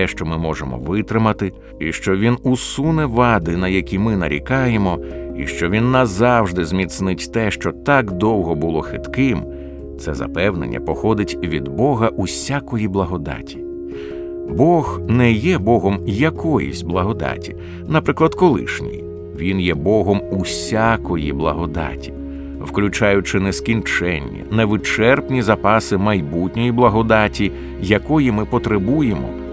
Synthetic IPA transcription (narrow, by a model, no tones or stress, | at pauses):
ɛʃt͡ʃɔmɪmɔʒemɔ̰ʋɪt̪ɾɪmɐt̪ɪ | iʃt͡ʃɔʋʲinusunɛʋɑd̪ɪnɐjɐkʲimɪnɐɾʲḭkɑjemɔḭʃt͡ʃɔʋʲinːɐzɑwʒd̪ɪzʲmʲit̪snɪtʲt̪ɛʃt͡ʃɔt̪ɑkd̪ɔwɦɔbʊlˠɔxɪt̪kɪm | t̪sɛzɐ̰pɛwnḛnʲːɐ̰pɔxɔd̪ɪtʲʋʲḭd̪bɔɦɐʔusʲakɔjiblˠɐɦɔd̪ɑ̰tʲi̥ | bɔɣnɛjɛbɔɦɔmjɐkɔjḭsʲblˠɐɦɔd̪ɑ̰tʲi | nɐpɾɪklˠɐd̪kɔlˠɪ̰ʃnʲḭj | ʋʲinjɛbɔɦɔmusʲakɔjḭblˠɐ̰ɦɔd̪a̰tʲi̥ | wklʲʊt͡ʃajʊt͡ʃɪnɛskʲint͡ʃɛnʲːɐ̰nɛʋɪt͡ʃɛrpnʲizɐpɑsɪmɐjbutʲnʲɔjiblˠɐɦɔd̪atʲi | jɐkɔjimɪpɔt̪ɾebujemɔ̰